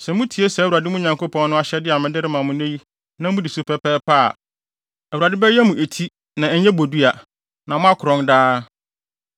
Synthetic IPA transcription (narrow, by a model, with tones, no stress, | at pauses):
sɛ˨mʊ̃˦tʰi˨˦e˦sɛ˨u˨a˨dɪ˦mʊ̃˦ɲã˨ŋko˦pʰɔ̃˦nː˦ʊ̃˦a˦ɕɛ˦dɪ˦a˨mɪ̃˦dɪ˦ɾɪ˦mã˨mʊ̃˨nẽ˦ji˦ | nã˦mʊ̃˦di˨su˦pʰɛ˦pʰɛː˦pʰa̰˦˨ | wu˨ɾa˨dɪ˦bɛ˦jɛ˦mũ˨ʔe˨tʰi˦ | nã˨ɛ˨˦ɲɛ̃˦bo˨du˦a˨ | nã˨mʊ̃˦a˦kʰʊ˨ɾɔ̃˦ndaː˦